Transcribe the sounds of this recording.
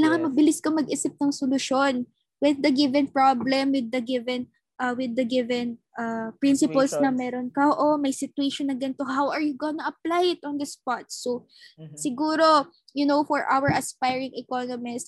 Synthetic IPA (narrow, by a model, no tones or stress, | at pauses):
kɪlaːŋɐnmɐbɪlɪskɐmɐɡʔisɪp̚nɐŋsolʊʃon | wɪð̚dɐɡɪvɛnpɹablɛmwɪd̪̚ːɐɡɪvɛn | ʔɐwɪd̪ːɐɡɪvɛnʔɐpɹɪnsɪpɐlsnɐmɛːɾonkɐʔoʔomɐjsɪt̪ʊeʃonːɐɡɐnt̪ohawʔɐɹjʊɡonɐʔɐplajɪt̪ɔnd̪ɪspat̪̚so | sɪɡuːɾo̞ | jʊnowfɔɹʔa̰wɛɹʔɐspajɹɪŋʔɛkonomɪs